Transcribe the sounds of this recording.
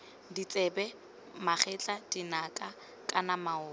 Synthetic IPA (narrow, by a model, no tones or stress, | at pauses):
dit͡sʼɛbɛ | maχɛt͡ɬʼadinakʼa | kʼanamaʊː